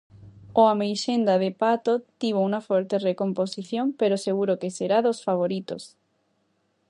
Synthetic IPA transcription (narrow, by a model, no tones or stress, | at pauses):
oamejʃend̪aðepat̪ot̪iβ̞ouŋafoɾt̪erekomposiθjompeɾoseɣuɾokeseɾaðosfaβ̞oɾit̪o̰s